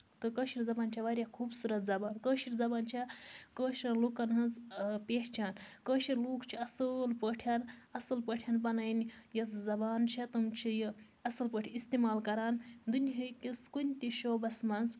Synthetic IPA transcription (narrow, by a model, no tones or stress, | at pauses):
t̪ɨkəʃiɾzɐbaːnt͡ʃʰɐʋaɾʲjakʰuːbsuɾɐt̪zɐbaːnkəːʃiɾzɐbaːnt͡ʃʰekəːʃɾɐluːkɐnɦɐnzpeːht͡ʃʰaːnkəːʃiɾluːkt͡ʃʰiɐsɨlpəʈʰjanɐsɨlpəʈʰjɐnpɐnɐjnjɐszɐbaːnt͡ʃʰɐt̪umt͡ʃʰiji | ɐsɨlpəʈʰʲiist̪emaːlkɐɾaːnd̪unʲiɦɐkʲiskunʲt̪iʃoːbɐsmɐnz